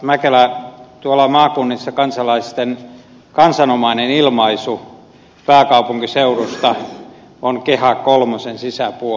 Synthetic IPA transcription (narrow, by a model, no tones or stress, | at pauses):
mækelæt̪uolɑmɑːkunːisːɑkɑnsɑlɑist̪en | kɑnsɑnomɑinenilmɑisu | pæːkɑupuŋkiseurost̪ɑ | onkehɑkkolmosensisæpuo